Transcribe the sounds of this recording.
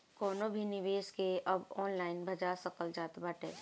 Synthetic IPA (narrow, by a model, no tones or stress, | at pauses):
kɔːnõbʱinɪʋeːskeɐbɔːnlaːɪnbʱɐd͡ʒaːsɐkəld͡ʒaːt̪baʈʰḛː